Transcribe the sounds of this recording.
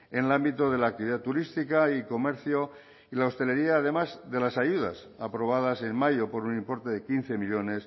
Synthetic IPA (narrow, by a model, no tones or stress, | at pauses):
enelambit̪oðe̞laːk̚t̪iβiðat̪uɾist̪ikaiko̞me̞ɾθjo̞ | ilao̞st̪e̞le̞ɾiaːðe̞mazðe̞lasajuða̰s | apɾo̞βaðase̞nmaʝopo̞ɾunĩmpo̞ɾt̪e̞ðe̞kin̟θe̞miʎo̞ne̞s